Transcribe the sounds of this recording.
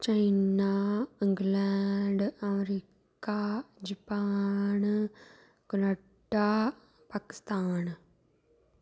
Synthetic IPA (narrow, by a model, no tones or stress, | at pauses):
t͡ʃainaɪŋɡlɛːɖəmɾiː | kkad͡ʒəpaːn | ɡʊlə | ʈːa | paːkɪ̥st̪aːn